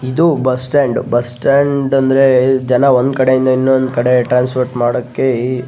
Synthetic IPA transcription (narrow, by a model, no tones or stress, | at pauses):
id̪ubɐsʈeːɳɖbɐsʈeːɳɖɐnd̪ɐɾe̞d͡ʒɐnɐond̪kɐɽe̞jind̪ɐinːond̪ukɐɽe̞ʈɾaːnspoːɾʈmaːɽɐkːe